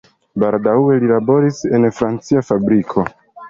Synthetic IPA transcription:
baɾdawe̞lilabo̞ɾise̞nfɾant͡siafabɾikʰo̞

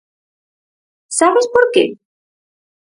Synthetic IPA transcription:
saβespoɾkḛ

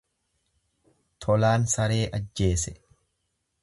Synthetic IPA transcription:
t̪ʰɔlaːnsɐɾe̞ːʔɐd͡ʒːe̞ːsɛ

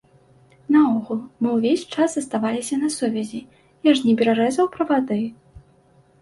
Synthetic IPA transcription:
nɐɔɣulˠmɨwvʲesʲt͡ʂazzɐst̪avalʲisʲɐnɐsuvʲɛzʲi | jaʐnʲɛbʲɛɾaɾɛzɐwpɾɐvad̪ɨ

